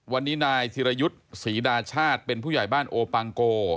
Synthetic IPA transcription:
wa˧nːiː˦˥naː˧jt̪ʰiː˧ɾa˧ju˦˥t̪̚siː˩˦daː˧t͡ɕʰaː˥˩t̪̚pe˧npʰuː˥˩jaː˨˩jbaː˥˩nʔoː˧pa˧ŋkoː˧

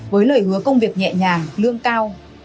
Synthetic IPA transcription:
vəː˨˦jlə̰ː˧˩jhɨ˨˦əkə˧wŋ͡mvi˨˩ək̚ɲɛ̰˧˨ɲaː˨˩lɨ˧əŋkaː˧w

